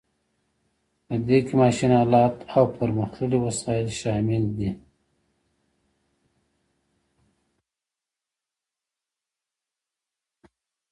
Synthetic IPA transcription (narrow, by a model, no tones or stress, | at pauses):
pəd̪ekemɑʃinaːlɑːt̪ʰawpəɾməxtəɽiwasɑɪlʃɑmɪld̪i